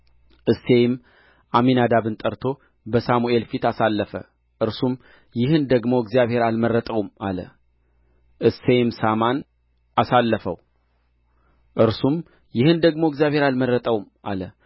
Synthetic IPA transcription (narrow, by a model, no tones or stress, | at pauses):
ʔɨsejm | ʔaminad̪aβɨnt̪ʼəɾt̪ʰo̞ | bəsamuʔe̞lfit̪asalːəfə̰ | ʔɨɾsum | jɪhɨnd̪əɡmo̞ɪɡzijaβhe̞ɾalmərːət̪ʼəwma̰lə̰ | ʔɨsejmsaman | asalːəfəw | ʔɨɾsum | jɪhɨnd̪əɡmo̞ɪɡzjaβhe̞ɾalmərət̪ʼəwmʔa̰lə